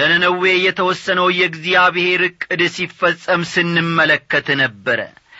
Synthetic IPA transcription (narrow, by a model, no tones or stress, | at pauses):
ənənəwejɛt̪ʰəwɔsːənəwjɛɡzijaβɨhe̞ɾɨkʼːɨd̪sifːəsʼːəmsɨnːɨmːələkːət̪ʰnəbːəɾə̰